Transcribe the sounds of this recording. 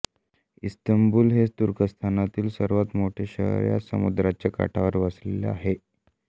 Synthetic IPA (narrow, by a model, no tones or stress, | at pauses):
ist̪əmbuːlɦet̪uɾkəst̪ʰanat̪iːlsəɾʋat̪moʈʰeɕə̰ɦɾja̰sə̰mud̪ɾat͡ɕjaka̰ʈʰaʋəɾʋəslelḛa̰ɦe